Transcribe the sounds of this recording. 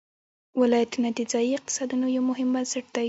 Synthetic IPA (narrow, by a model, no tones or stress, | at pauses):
wɪlɑjat̪unad̪ɪzɑjiɪq̚t̪ɪ̥sɑd̪unojawmʊɦɪmbansɪʈ̚d̪̥a